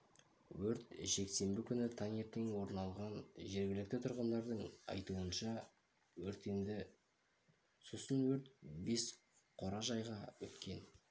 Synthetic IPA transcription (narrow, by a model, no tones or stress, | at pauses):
wɵɾt̪ʒ̥e̞kse̞mbɪkʲʰʏnɪt̪ʰaŋʲet̪ːeŋwo̞ɾnɑlˠʁɑnʒe̞ɾɡʲɪlɪk̚t̪ɪt̪ʰʊɾʁənd̪ɑɾd̪əɴɑ̰jt̪uənʃɑ | wɵɾt̪end̪ɪ | sosənwɵɾt̪̚be̞s | qʰo̞ɾɑʒɑjʁɑwɵ̰t̪kʲe̞n